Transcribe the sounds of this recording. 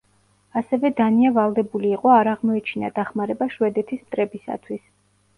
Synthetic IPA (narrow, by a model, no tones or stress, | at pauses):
asɛvɛd̪aniavalˠd̪ɛbuliːqʼɔaɾaʁmɔɛt͡ʃʰina̰d̪aχmaɾɛbaʃwɛd̪ɛt̪ʰismt̪ʼɾɛbisa̰t̪ʰwis